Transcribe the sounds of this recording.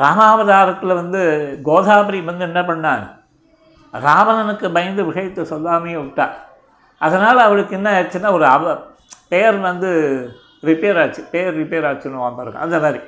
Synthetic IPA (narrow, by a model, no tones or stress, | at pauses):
ɾaːmaːʋɐðaːɾɐt̪ːɪlʋɐnd̪ɯɡoːðaːpɐɾiʋɐnd̪ɯɛnːɐpːɐɳːaːnɐ | ɾaːʋɐnɐnɯkːɯbɐjɐnd̪ɯʋɪɣɐjɐt̪ːɯsɔlːaːmejẽɪʈːa̰ː | ʔɐðɐnaːlɐːʋɐɭɯkːɛnːaɐɾɐt͡ʃːɯnːaːɔɾɯɐʋɐ | pɛjɐɾʋɐnd̪ɯ | ɾɪpeːɾaːt͡ʃːɯ̥pejɐɾɾɪpeːɾaːt͡ʃːɯnːɯʋaːmpɐɾɯɡɐ̰̃ʔɐ̰nd̪ɐmaːɾi